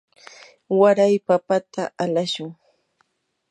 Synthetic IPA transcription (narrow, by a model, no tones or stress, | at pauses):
waɾajpapat̪ʰaʔalaʃʊŋ